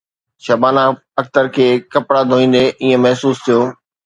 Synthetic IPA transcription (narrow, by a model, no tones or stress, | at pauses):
ʃɐbaːnã | ɐk̚t̪əɾkʰeːkɐpɽad̪ʱoːĩːn̆d̪eʔɪːẽmɐɦsuːst̪ʰijoː